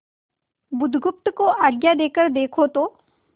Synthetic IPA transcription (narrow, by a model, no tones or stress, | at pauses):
bʊd̪ʱɡʊp̚t̪koʔaːɡjad̪eːkəɾd̪eːkʰot̪oː